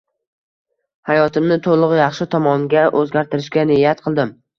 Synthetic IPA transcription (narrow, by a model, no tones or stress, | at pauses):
hajɒt̪ʰɪmnɪt̪ʰolˠʊʁjɑχʃɪt̪ʰɒmɒŋɡʲaʔɵzɡʲaɾt̪ʰɪɾɪʃkʲanɪjat̪̚qʰɨlˠd̪ɪm